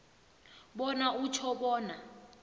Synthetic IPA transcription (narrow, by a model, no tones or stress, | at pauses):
ɓɔnaut͡ʃʰɔɓɔːna